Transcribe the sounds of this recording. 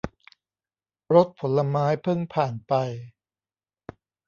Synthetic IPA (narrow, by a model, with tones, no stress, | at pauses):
ɾo˦˥t̪̚pʰo˩˦lːa˧maː˦˥jpʰɤ˥˩ŋpʰaː˨˩npa˧j